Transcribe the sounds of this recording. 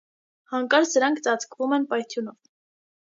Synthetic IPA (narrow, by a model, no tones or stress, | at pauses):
hɑŋkɑɾt͡sʰd̪əɾɑŋkʰt͡sɑt͡sʰkvumɛnpɑjt̪ʰjunɔv